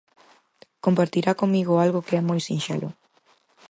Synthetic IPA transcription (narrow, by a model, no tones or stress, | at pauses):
kompaɾt̪iɾakoŋmiɣoalɣokeɛmojsĩnʃɛ̰lʔo̰